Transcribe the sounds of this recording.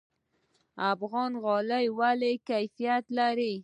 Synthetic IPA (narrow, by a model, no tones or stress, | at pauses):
afɣɑnɣɑləjwalekajfijat̪laɾi